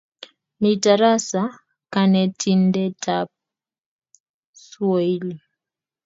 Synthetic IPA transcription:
mitaɾasa | kanɛtʰindɛtʰap̚ | swɔili

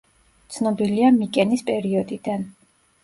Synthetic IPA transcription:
t̪sʰnɔbiliamikʼɛnispʼɛɾiɔd̪id̪an

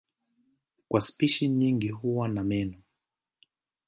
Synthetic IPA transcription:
kwaspiʃiɲiŋɡiɦuwanamɛnɔ

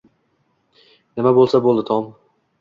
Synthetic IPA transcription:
nɪmabolˠsabolˠd̪ɪt̪ʰɒm

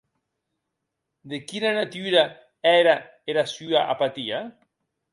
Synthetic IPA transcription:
d̪ekinanat̪yɾa | ɛɾa | eɾasyaʔa̰pat̪ia

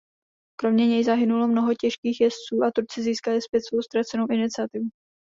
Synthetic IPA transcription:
kɾo̞mɲɛɲɛjzaɦɪnulo̞mno̞ɦocɛʃkiːxjɛst͡suːʔat̪uɾt͡sɪziːskalɪspjɛt̪svo̞wst̪ɾat͡sɛno̞wʔɪnɪt͡sɪat̪ɪvu

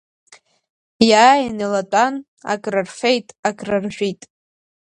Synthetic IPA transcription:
jaːjanelatʼan | a̰kʼrarfe̞jtʼakʼrarʒᶣʷitʼ

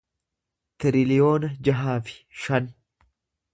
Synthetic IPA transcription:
t̪ɪɾɪlɪjo̞ːnɐd͡ʒɐɦaːfɪ̥ʃɐn

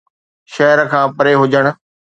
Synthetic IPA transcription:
ʃɐɦɾkʰãːpɐɾeɦʊd͡ʑəɽ̃̆

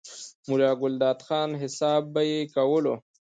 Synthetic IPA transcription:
mulaːɡʊld̪aːt̪xɑːnɦɪsaːbːajekɐwəlo

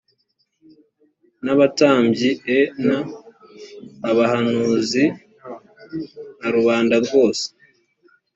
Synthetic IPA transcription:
naβataːmbɟiena | βahanuːzi | naɾuβaːndaɾɡo̞ːse̥

